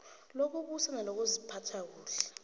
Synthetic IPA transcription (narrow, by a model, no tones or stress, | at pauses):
lok̬ʰʼuk̬usanalok̬uzipʰatʰak̬uːɬɛ̥